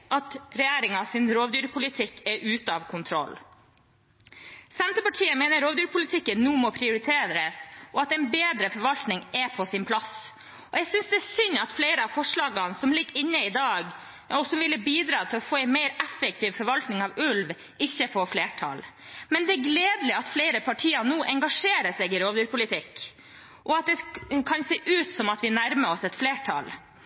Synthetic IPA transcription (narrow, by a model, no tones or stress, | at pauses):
ʔɑt̪ɾɛjæːɾɪŋɑsɪnɾoːʋd̪yːɾpʰʊlɪt̪ʰɪkːɛɾʔʉːt̪əɑʋkʰʊnt̪ʰɾɔ̰l | sɛnt̪ɾəpɑʈʰiːəmeːnəɾoːʋd̪yːɾpʰʊlɪt̪ʰɪkːənːuːmɔpʰɾɪʊɾɪt̪ʰeːɾɾəsʔɔɑt̪ɛɪnbeːd̪ɾəfɔɾʋɑlt̪nɪŋɛpʰɔsɪnpʰlɑs | ɔɛɡsʏnsd̪ɛːsʏnɑt̪fleɪɾəɑfɔʂɭɑːɡɑnsɔmlɪɡːɪnːəɪd̪ɑːɡ | ɔsɔmʋɪlːəbiːd̪ɾɑːt̪ʰɪlɔfoːɛɪnmæɪɾɛfɛk̚t̪ʰiːʋfɔɾʋɑlt̪nɪŋɑʋʉlʋ | ɪçːəfɔfleːʈʰɑ̰l | mɛnd̪ɛæɡleːd̪lɪɑt̪fleɪɾəpʰɑʈʰiːɑnuːʔɛŋɡɑʂeːɾəsɛɪɡɪɾoːʋyːɾpʰʊlɪt̪ʰɪkː | ʔɔɑt̪̚d̪ɛkʰɑnseːʔʉːt̪sɔmɑt̪ʋɪnæɾməɔsɛt̪fleːʈʰɑ̰l